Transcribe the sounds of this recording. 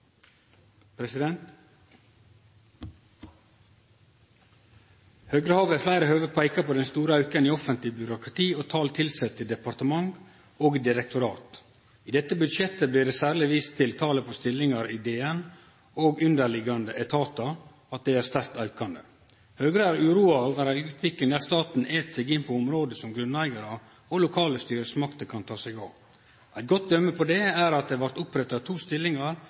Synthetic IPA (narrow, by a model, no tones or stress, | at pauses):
pʰɾɛsɪd̪ɛnt̪ | høːɡɾəhɑːʋæflæɪɾəhøːʋəpʰæɪkɑpʰoːd̪ɛnst̪uːɾəɑʉkəniːɔfənt̪lɪbjʏɾʊkɾɑt̪ʰiːoːt̪ʰɑːlt̪ʰɪlsɛt̪ʰːɪld̪ɛpɑɾt̪əmɑŋ | oːɡd̪ɪɾɛk̚t̪ʰʊɾɑːt̪ | iːd̪ɛt̪ːəbʉd̪ʃjɛt̪ːəbliːɖɛːsæːɾɭɪʋiːst̪ʰɪlt̪ʰɑːləpʰoːst̪ɪlːɪŋɑɾiːd̪eːɛn | oɡʉnd̪əɾɭɪɡɑnd̪əʔɛt̪ʰɑːt̪ɑ | ɑt̪̚d̪ɛɪæɾst̪æɾkt̪ɑʉkɑnd̪ə | høːɡɾəæɾʉːɾuːɑʋæɾæʉːt̪ʰʋɪklɪŋd̪æːɾst̪ɑːt̪n̩eːt̪sɛɡɪnːpʰɔʊmɾoːd̪əsɔmɡɾʉnæɪɡɑɾə | ɔlʊkʰɑːləst̪yːɾəsmɑkt̪əkʰɑnt̪ʰɑːsɛɡɑːʋ | ʔæɪt̪̚ɡɔt̪̚d̪œmːəpʰɔd̪ɛæɾɑt̪̚d̪ɛhæɾʋɑɾt̪ʊpɾɛt̪ːɑt̪ʰuːst̪ɪlːɪŋɑɾ